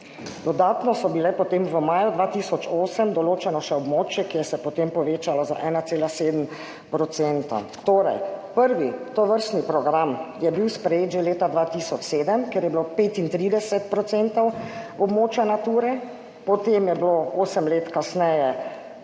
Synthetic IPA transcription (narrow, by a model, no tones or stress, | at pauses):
d̪ɔd̪aːt̪nɔsɔbilɛpɔt̪emʋəmaːjud̪ʋaːt̪iːsɔt͡ʃoːsəmd̪ɔloːt͡ʃɛnɔʃɛɔbmoːt͡ʃjɛkijɛsɛpɔt̪empɔʋeːt͡ʃalɔza̰ʔɛːnat̪seːlaseːd̪m | pɾɔt̪sent̪a̰ | t̪oːɾɛjpəɾʋit̪ɔʋəɾst̪nipɾɔɡɾamjɛbiwspɾɛjeːt̪ʒeleːt̪ad̪ʋaːt̪iːsɔt͡ʃseːd̪əmkɛɾjɛbilopeːt̪int̪ɾiːd̪ɛsɛt̪̚pɾɔt̪sɛnt̪ɔwɔbmoːt͡ʃjanat̪uːɾɛ | pɔt̪emjɛblooːsəmleːt̪kasnɛjɛ